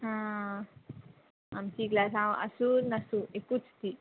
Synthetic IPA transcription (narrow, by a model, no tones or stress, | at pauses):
ɦã | amt͡ɕiːɡlasãʔə̰sunɐsuekut͡st̪i